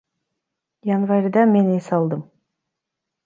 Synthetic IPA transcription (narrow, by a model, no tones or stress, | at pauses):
janvaɾʲd̪ɑmenesɑlˠd̪ɯm